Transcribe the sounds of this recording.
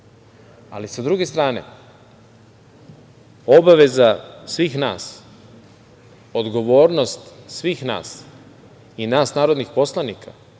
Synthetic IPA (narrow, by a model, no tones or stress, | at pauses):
a̰lisad̪ɾuɡe̞st̪ɾaːne̞̰ | o̞baʋe̞zasʋiːxna̰ːs | o̞d̪ɡo̞ʋo̞ːɾno̞st̪sʋiːxna̰ːs | inaːsnaːɾo̞d̪nixpo̞slˠanikʰa̰